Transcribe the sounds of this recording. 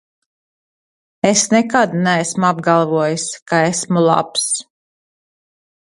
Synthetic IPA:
esnɛkad̪næsmuab̚ɡalˠvuɔjiskaesmulˠa̰ps

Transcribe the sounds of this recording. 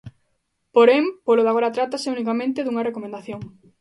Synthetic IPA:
poɾempoloðaɣoɾat̪ɾat̪aseunikamẽnt̪eðuŋɐrekomẽnd̪aθjoŋ

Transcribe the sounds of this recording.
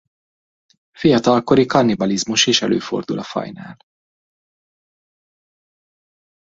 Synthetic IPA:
fijɒt̪ɒlko̞ɾikɒnibɒlizmuʃeːʃɛlø̰ːfo̞̰rd̪ulʔɒfɒ̰jna̰ːl

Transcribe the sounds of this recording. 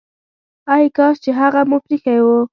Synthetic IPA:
ajkɑst͡ʃeɦaɣamʊfɾixajwo

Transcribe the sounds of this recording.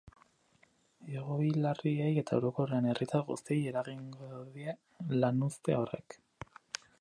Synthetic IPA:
eɣo̞jlarieje̞t̪ae̞wɾo̞koreane̞rʔit̪aɣust̪ieje̞ɾaɣiŋɡoðie | lanust̪e̞o̞re̞̰k

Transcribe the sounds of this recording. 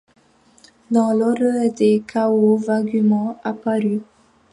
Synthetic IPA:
d̪ɑ̃lɔd̪dekʰawovaɡymɑ̃apaɾy

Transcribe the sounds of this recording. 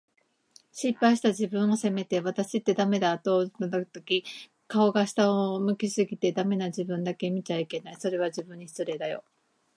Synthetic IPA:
ɕipːaiɕi̥t̪aʑibɯ̟̃ɰ̃o̞se̞me̞t̪e̞βat̪aɕit̪ːe̞d̪ame̞d̪aːt̪o̞nod̪ot̪okʲi | kao̞ɡaɕi̥t̪aomɯ̟kʲisɨɡʲit̪e̞d̪ame̞naʑibɯ̟̃nd̪ake̞mʲit͡ɕaike̞naiso̞ɾe̞β̞ad͡ʑibɯ̟̃ɲ̟ːiçi̥t͡sɨɾe̞d̪ajo̞̰

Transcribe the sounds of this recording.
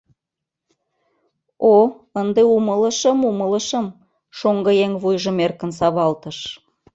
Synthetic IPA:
o | ənd̪eumələʃə̆mumələ̆ʃə̆m | ʃoŋɡɤjeŋβujʒə̆merkə̆nsɑβɑlt̪ə̆ʃ

